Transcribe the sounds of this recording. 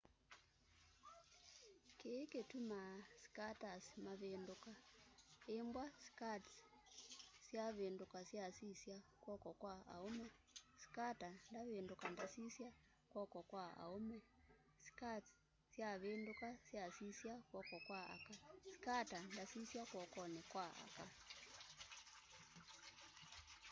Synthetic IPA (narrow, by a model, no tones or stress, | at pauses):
keketumasi̥katasmaβenduka | embwasi̥kati | sjaβeːndukasjasisjakwɔkɔkwaa̰omɔ | si̥katandaβendokandasisja | kwɔkɔkwaa̰omɛ | si̥kat | sjaβendukasjasisjakwɔkɔkwaa̰kasi̥katandasisjakwɔkɔnɛkwaa̰ka